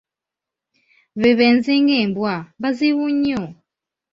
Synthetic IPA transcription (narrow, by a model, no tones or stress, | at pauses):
βiβɛnziŋɡembwambaziβuɲɔ